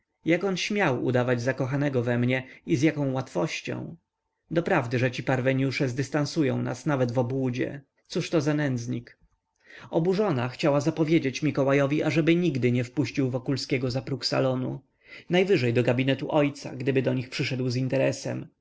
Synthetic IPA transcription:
jakɔnɕmʲjawṵd̪avad͡ʑzakɔxanɛɡɔvɛmɲɛizjakɔ̃w̃wat̪fɔɕt͡ɕɔ̰̃w̃ | d̪ɔpɾavd̪ɘʐɛt͡ɕipaɾvɛɲuʂɛzd̪ɘst̪ansujɔ̰̃w̃na̰snavɛd̪vɔbwud͡ʑɛ̰ | t̪suʂt̪ɔzanɛnd̪zɲik | ɔbuʐɔnaxt͡ɕawazapɔvʲjed͡ʑet͡ɕmʲikɔwajɔvʲiʔaʐɛbɘɲiɡd̪ɘɲɛfpuɕt͡ɕiwvɔkulskʲɛɡɔzapɾuksa̰lɔnṵ | najvɘʐɛjd̪ɔɡabʲinɛt̪uʔɔjt̪sa̰ɡd̪ɘbɘd̪ɔɲixpʂɘʂɛd̪wzint̪ɛɾɛsɛ̰m

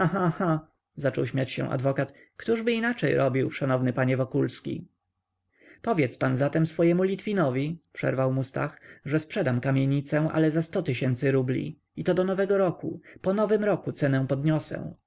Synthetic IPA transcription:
axaxa | zat͡ʂɔwɕmʲjat͡ɕɕɛ̰w̃ʔa̰d̪vɔkat̪ | kt̪uʐbɘinat͡ʂɛjɾʔɔbʲiwʂanɔvnɘpaɲɛvɔkulskʲḭ | pɔvʲjɛt̪spanzat̪ɛmsfɔjɛmulʲit̪fʲinɔvʲipʂɛ̰ɾvawmust̪a̰xʐɛspʂɛd̪amkamʲjeɲit̪sɛw̃ʔa̰lɛzast̪ɔt̪ɘɕɛnt̪sɘɾublʲḭ | it̪ɔd̪ɔnɔvɛɡɔɾɔkṵpɔnɔvɘmɾɔkut̪sɛnɛ̃w̃pɔd̪ɲɔsɛ̰̃w̃

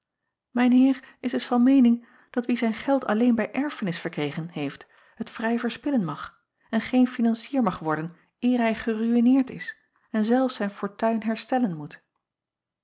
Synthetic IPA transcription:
mɛjnɦɪːɹɪsdɵsfɑnmejnɪŋ | d̥ɑtʋizɛjnχɛlˠtʰɑ̰lejnbɛjʔɛɹfənɪsfəɹkrejχənɦejft | ɦətfrɛjvəɹspɪlənmɑχ | ɛnχejnfinɑnsiːɹmɑχʋɔɹdən | ʔɪːɹɦɛjχəryinɪːɹtɪ̰s | ɛnzɛlˠfsɛjnfʊːɹtœɥnɦɛɹstɛlənmut

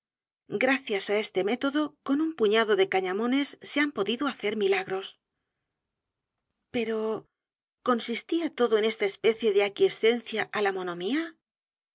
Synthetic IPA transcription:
ɡɾaθjasae̞st̪e̞me̞t̪o̞ðo̞ko̞numpuɲaðo̞ðe̞kaɲamõ̞ne̞sːeampo̞ðiðoaθe̞ɾmilaɣɾo̞s | pe̞ɾo̞ | ko̞nsist̪iat̪o̞ðoene̞st̪aespe̞θje̞ðeakje̞st̪e̞n̟θjaʔalamo̞no̞mia

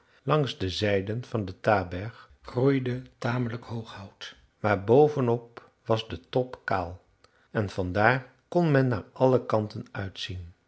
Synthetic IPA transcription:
lɑŋzdəzɛjdənv̥ɑndətaːbɛɹχ | χrujdətaːmələkɦowχɦɔwt | maːɹbowvənɔp̚ | ʋɑzdətɔpka̰ːlˠ | ɛnv̥ɑndaːr | kɔnmɛnːaːɹʔɑləkɑntənœɥtsin

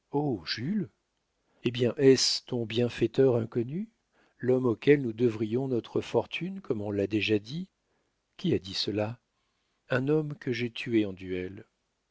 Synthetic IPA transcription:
oʒyl | ebjɛ̃ʔɛst̪ɔ̃bjɛ̃fɛt̪œʁɛ̃kɔny | lɔmokʲɛlnud̪əvʁijɔ̃nɔt̪χəfɔʁt̪ʰynkʰɔmɔ̃lad̪eʒad̪i | kʲiad̪isəla | ɛ̃nɔmkəʒɛt̪ʰyeɑ̃d̪yɛl

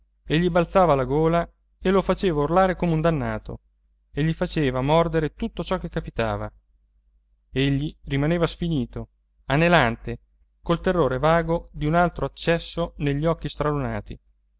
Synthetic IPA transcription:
eʎːibalt̪saːvalaɡoːla | elofat͡ʃeːvaurlaːɾekomeund̪anːa̰ːt̪ʰo̰ | eʎːifat͡ʃeːvamɔrd̪eɾet̪ut̪ːot͡ʃɔkːekːapit̪a̰ːva̰ | eʎːirimaneːvasfiniːt̪o | anelant̪e | kolt̪erːoːɾevaːɡod̪iunalt̪ɾoat͡ʃːɛsːoneʎːiɔkːist̪ɾaluna̰ːt̪ḭ

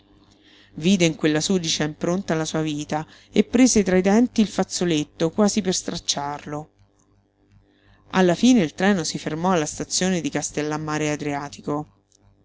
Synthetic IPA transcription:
viːd̪eiŋkwelːasud̪it͡ʃaimpɾont̪alasuːaviːt̪a | epːɾeːzet̪ɾaid̪ɛnt̪iːlfat̪sːolet̪ːokwaːziperst̪ɾat͡ʃːarlo | a̰lːafiːneilt̪ɾɛːnosifermɔalːast̪at̪sːjoːned̪ikast̪elːamːaːɾead̪ɾiaːt̪iko

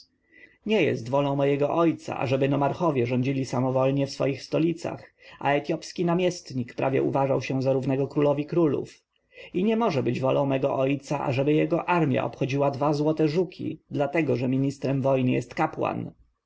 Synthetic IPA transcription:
ɲɛjɛ̰st̪vɔlɔ̃w̃mɔjɛɡɔʔɔjt̪sa̰ʔa̰ʐɛbɘnɔmaɾxɔvʲjɛʐɔɲd͡ʑilʲisamɔvɔlɲɛfsfɔ̰jixst̪ɔlʲit̪sa̰xa̰ɛt̪ʲjɔpskʲinamʲjɛst̪ɲikpɾʔa̰vʲjɛ̰ṵvaʐawɕɛ̃zaɾuvnɛɡɔkɾulɔvʲikɾulṵf | iɲɛmɔʐɛbɘd͡ʑvɔlɔ̃w̃mɛɡɔ̰ʔɔjt̪saʔa̰ʐɛbɘjɛɡɔʔaɾmʲja̰ʔɔpxɔd͡ʑiwad̪vazwɔt̪ɛʐukʲʰḭd̪lat̪ɛɡɔʐɛmʲiɲist̪ɾɛmvɔjnɘjɛst̪kapwa̰n

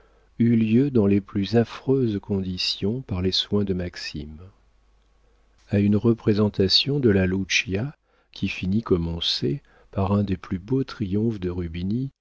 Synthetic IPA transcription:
yljød̪ɑ̃leplyzafχøzkɔ̃d̪isjɔ̃paʁleswɛ̃d̪əmaksḭm | aynʁəpχezɑ̃t̪asjɔ̃d̪əlalut͡ʃja | kʲʰifinikɔmɑ̃se | paʁɛ̃d̪eplybot̪χijɔ̃fd̪əʁybini

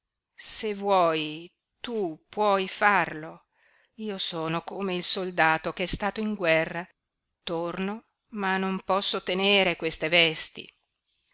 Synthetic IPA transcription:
sevwɔj | t̪upwɔjfarlo | iːosoːnokoːmeilsold̪aːt̪okeɛst̪aːt̪oiŋɡwɛrːa | t̪orno | manːompɔsːot̪eneːɾekwest̪evɛst̪ḭ

